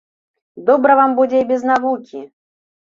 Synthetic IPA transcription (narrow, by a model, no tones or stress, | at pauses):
d̪ɔbɾɐvambud͡zʲɛibʲɛznavukʲi